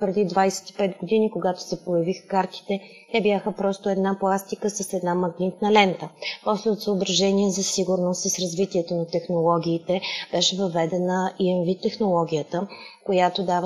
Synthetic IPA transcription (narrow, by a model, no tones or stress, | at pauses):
pɾɛd̪id̪vajsɛ̥t̪i̥pɛt̪ɡod̪inikoɡat̪o̥sɛpojɐvixə̥kaɾt̪i̥t̪ɛ | t̪ɛbjaxəpɾɔst̪oɛd̪naplˠast̪ikəsəsɛd̪namɐɡnit̪nəlɛnt̪əpɔslɛot̪səobɾɐʒɛniɛzɐsiɡʊɾnost̪ːəsɾɐzvit̪iɛt̪onɐt̪ɛxnolˠɔɡʲiːt̪ɛb̥ɛʃɛvɐvɛd̪ɛnəiɛnvit̪ːɛxnolˠɔɡ̟ʲijət̪əkojat̪od̪av